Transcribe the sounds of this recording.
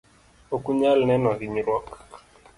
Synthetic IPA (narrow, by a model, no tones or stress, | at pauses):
okuɲalnɛnɔɣiɲiɾwɔk